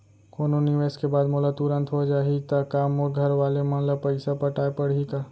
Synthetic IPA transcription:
koːnoniʋeːskebaːd̪moːlat̪uɾə̃nt̪ɦod͡ʒaːɦit̪akaːmoːɾɡʱɐɾʋaːlemãːlapɐɪsapɐʈaːepɐɽ̤ika

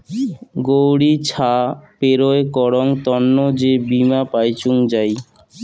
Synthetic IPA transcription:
ɡowɽit͡ɕʰapeɾoekɔɽoŋt̪ɔnːod͡ʑebimapajt͡ɕuŋd͡ʑaj

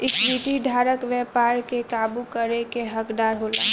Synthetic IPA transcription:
ɪkʋiʈ̪id̪ʱaːɾəkʋjɛpaːɾkekaːbukəɾekeɦəkd̪aːɾɦoːla̰ː

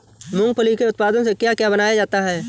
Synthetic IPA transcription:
mʊ̃ŋɡ̚pəlikeʊt̪̚paːd̪õsekjakjabɐnaːjad͡ʒaːt̪aɦɛː

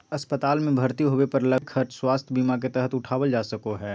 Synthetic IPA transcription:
ɐspət̪aːlmẽbʱɐɾt̪iɦoːʋepɐɾlɐkʰɐɾt͡ʃswaːst̪ʰjbiːmak̬et̪ɛɦət̪ʊʈʰaːʋəld͡ʒaːsɐkoɦɛː

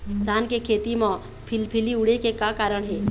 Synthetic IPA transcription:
d̪ʱaːnkekʰeːt̪imã | pʰɪlpʰɪliʊɽekekakaːɾəɽ̃ɦɛː

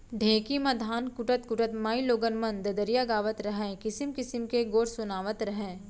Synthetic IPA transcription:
ɖʱẽːkimɐd̪ʱaːnkʊʈət̪kʊʈət̪maːiloːɡənmə̃nd̪ɐd̪əɾijaɡaːʋət̪ɾɐɦɛ̃kɪsɪmkɪsɪmkeɡoːɾsʊnaːʋət̪ɾɐɦɛ̃ː

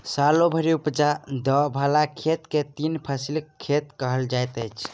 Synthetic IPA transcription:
salobʱəɾiupd͡ʒad̪əbʱalakʰet̪ket̪inpʰəsilkʰːet̪kəɦəld͡ʒajt̪əjt͡ʃʰ

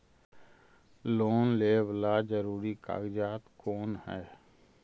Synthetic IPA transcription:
loːnleːʋlaːd͡ʒəɾuːɾika̰ːɡɪd͡ʒaːt̪koːnhɛː

